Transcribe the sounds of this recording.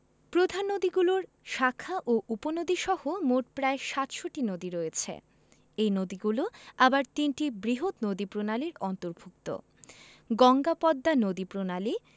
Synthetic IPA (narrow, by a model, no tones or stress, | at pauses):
pɾod̪ʱanːod̪iɡuloɾ | ʃakʰːaʔoʔuponod̪iʃɔhomoʈ̚pɾaeʃat̪ʃoʈinod̪iɾojet͡ɕʰḛ | ejnod̪iɡuloabaɾt̪inʈibɾiɦot̪nod̪ipɾonaliɾɔnt̪oɾbʱuk̚t̪o̰ | ɡɔŋɡapɔd̪ːanod̪ipɾonali